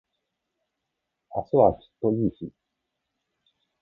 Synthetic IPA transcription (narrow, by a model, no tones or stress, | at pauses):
a̰soβaɕi̥t̪ːoiːɕi